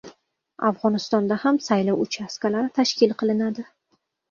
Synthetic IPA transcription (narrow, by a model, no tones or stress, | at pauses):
avʁɒnɪst̪ɒnd̪ahamsajlɒwʊt͡ʃʰaskalaɾt̪ʰaʃkʲɪlˠqʰɨlˠɪnad̪ɪ